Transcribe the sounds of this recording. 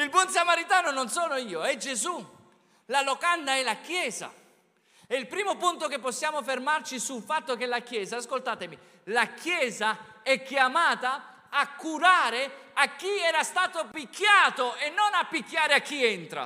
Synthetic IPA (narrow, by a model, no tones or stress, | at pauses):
ilbɔns̬amaɾit̪aːnononsɔːnoiːoɛd͡ʒezu | lalokand̪aɛlakjɛːza̰ | ɛilpɾiːmopunt̪okepːosːjaːmofermart͡ʃisulfat̪ːokɛlak̟jɛːzaːskolt̪aːt̪emi | lakʰjɛːzaɛkːjamaːt̪aː | kːuɾaːɾeakːiɛːɾast̪aːt̪opikːjaːt̪oenːonapːik̟ːjaːɾeak̟ːiɛnt̪ɾa̰